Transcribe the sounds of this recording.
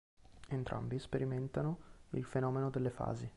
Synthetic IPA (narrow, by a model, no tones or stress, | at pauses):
ent̪ɾʔa̰mbispeɾiment̪anoḭlfenɔːmenod̪elːefa̰ːzi